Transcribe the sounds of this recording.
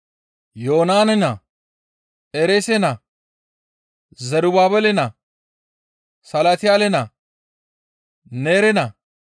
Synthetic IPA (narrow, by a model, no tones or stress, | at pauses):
joːnaːnɛnɐ | eɾesɛnɐ | zɛɾʊbaːbɛlɛnɐ | sɐlat̪ɪjaːlɛnɐ | neːɾɛnɐ